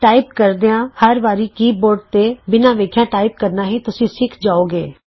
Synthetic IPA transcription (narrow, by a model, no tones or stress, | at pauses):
ʈaːɪp̚kəɾd̪eãːhəɾʋaːɾikiːboːɾɖ̚t̪ebɪnãːʋeːkʰjãːʈaːɪp̚kəɾnaɦit̪ʊsĩsɪkʰd͡ʒaːoːɡeː